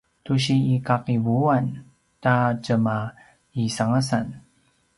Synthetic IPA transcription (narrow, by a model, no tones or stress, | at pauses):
tuɕiːkaqivuan | tad͡ʒəma | isaŋəsan